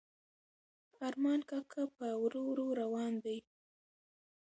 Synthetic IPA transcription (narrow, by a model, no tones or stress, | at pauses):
ɑɾmɑnkakʰapəwɾowɾoɾawɑnd̪aj